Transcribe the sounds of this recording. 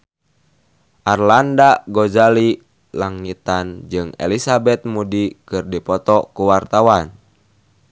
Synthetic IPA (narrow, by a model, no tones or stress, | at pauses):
ʔarlandaɡɔzali | laŋit̪and͡ʒɨŋɛ̰lisabɛt̪̚mudikɨrdipɔt̪ɔkuwart̪awan